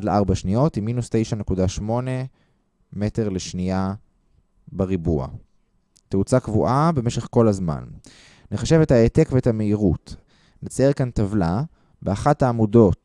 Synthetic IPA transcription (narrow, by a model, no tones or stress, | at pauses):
dleʔaʁbaʃnijo̞timːinustejʃane̞kudaʃmo̞ne̞ | me̞te̞ʁle̞ʃnia | beʁibua̰ | teut͡sakvuʔabe̞me̞ʃe̞χko̞lazma̰n | neχaʃe̞ve̞thaete̞kveethame̞iʁut | net͡saekantavla | beaχathaːmudo̞t